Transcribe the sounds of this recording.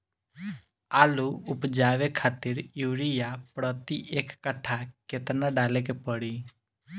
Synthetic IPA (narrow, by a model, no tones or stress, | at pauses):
aːluʊpd͡ʒaːʋekʰaːt̪ɪɾjuːɾijapɾət̪iʔekːəʈʰaket̪naɖaːlek̬epəɽi